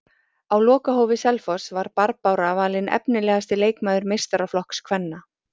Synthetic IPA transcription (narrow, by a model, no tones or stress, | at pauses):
awlɔːkaɦowvɪsɛlfɔsvaɾpaɾpawɾavaːlɪnʔɛ̰pnɪlɛːɣast̪ɪleːjkmaːðʏɾmejrst̪aɾaflɔhkskʰvɛnːa